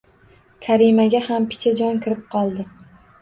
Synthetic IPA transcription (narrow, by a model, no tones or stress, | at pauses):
kʲʰaɾimaɡʲahampʰɪ̥t͡ʃʰad͡ʒɒnkʲʰɪɾɪp̚qʰɒlˠd̪ɪ